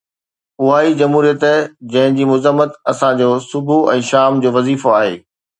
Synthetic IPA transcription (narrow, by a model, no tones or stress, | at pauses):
ʊɦaːid͡ʑɐmɦuːɾijət̪d͡ʑɐ̃ɦɪ̃d͡ʑiːmʊzəmːət̪ɐsãd͡ʑoːsʊbʱuɛ̃ːʃaːmd͡ʑoːʋɐziːfoaːɦḛː